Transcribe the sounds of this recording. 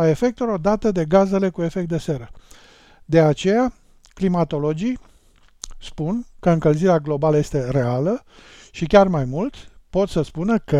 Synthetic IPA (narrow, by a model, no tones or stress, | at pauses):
ae̞fe̞k̚t̪uɾo̞d̪at̪əd̪e̞ɡaze̞le̞kue̞fekt̪d̪e̞se̞ɾə | d̪e̞at͡ʃe̞ja | klimat̪o̞lo̞d͡ʒij | spunkəɨŋkəlziɾeaɡlo̞baləje̞st̪e̞re̞alə | ʃikʲarmajmult̪po̞t̪səspunəkə